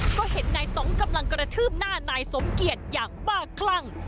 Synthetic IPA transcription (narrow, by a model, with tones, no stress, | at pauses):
kɔː˥˩he˨˩˦nnaː˧jt̪ɔ˨˩˦ŋka˧mla˧ŋkɾa˧t̪ʰɯː˥˩p̚naː˥˩naː˧jso˩˦mki˨˩ət̪̚jaː˨˩ŋbaː˥˩kʰla˥˩ŋ